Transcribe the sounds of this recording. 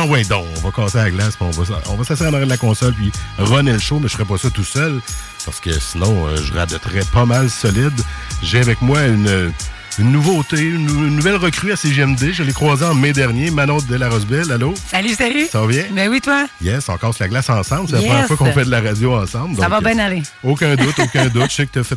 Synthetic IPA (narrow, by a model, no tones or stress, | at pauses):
wɛ̃d̪ɔ̃ɔ̰̃vɔkɑːsealaɡlasmɛɔ̰̃vɔsɔ̰̃vʌsasiːʁɑ̃nɔʁjɛ̃d̪lakɔ̃sɔlpɥiʁɔnɛlʃomɛʒə̥fəʁɛp̬ɔsɔt̪usœl | pa̰ʁsə̥kə̰sinɔ̃ø̰ʒəʁa̰b̪ɛt̪ʁɛpɑmalsɔlɪd̪ʒeavɛkmwaynø | ynːuvot̪eynːnːuvɛlʁəkʁyaseʒiɛmd̪eʒalɛkχwaːzeɑ̃mɛd̪ɛʁnjemanɔ̃d̪ɛlaʁɔzbɛlalosalysalysaɔvjɛ̃bɛwit̪wajɛsɑ̃kɔːʁslaɡlasɑ̃ːsɑ̃blsselapʁəmjɛfwakɔ̃fɛd̪əlaʁad͡zzjoɑ̃sɑ̃bld̪ɔãvkbɛ̃naleokʲœ̃d̪ʊt̪okʲɛ̃d̪ʊt̪ʒ̥sɛkət̪yɐfɛt̪